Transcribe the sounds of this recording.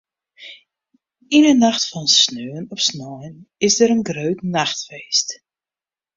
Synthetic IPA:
inənaxtfɔnsnøːənɔfsnɔjnɪsdəɾənɡrøːtnaxtfeːst

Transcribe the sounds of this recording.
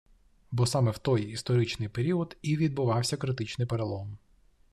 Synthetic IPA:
bɔsɑmɛwt̪ɔjist̪ɔɾɪt͡ʃnɪjpeɾʲiɔd̪iʋʲid̪̚bʊʋɑwsʲɐkɾɪt̪ɪt͡ʃnɪjpeɾelˠɔm

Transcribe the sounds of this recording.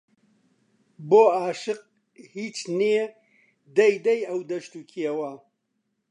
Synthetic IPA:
boːaːʃɨq̚ | hiːt͡ʃnije | d̪ɐjd̪ɐjɐwd̪ɐʃt̪uːkʰijɐwɐ

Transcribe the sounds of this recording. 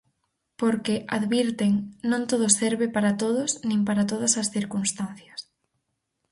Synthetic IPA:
poɾkɪʔaðβiɾt̪eŋnõŋt̪oðʊsɛɾβɪpaɾat̪oðʊsnĩŋpaɾat̪oðɐsɐsθiɾkunst̪anθjɐs

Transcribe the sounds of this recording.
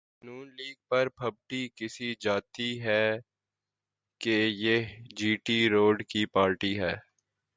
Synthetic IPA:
nuːnliːɡ̚pɐɾpʰɐb̚ʈikɪsid͡ʒaːt̪iɦɛː | kejed͡ʒiːʈiɾoːɖkipaːɾʈiɦɛː

